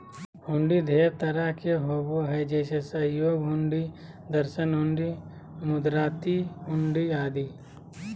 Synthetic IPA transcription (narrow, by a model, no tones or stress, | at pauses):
hʊɳɖid̪ʱeːʋt̪ɐɾakʰeɦoɡoɦɛd͡ʒeːsesɐjoːɡɦʊ̃ɳɖi | d̪əɾʃənɦʊɳɖi | mʊd̪ɾaːt̪iɦʊɳɖiaːd̪iː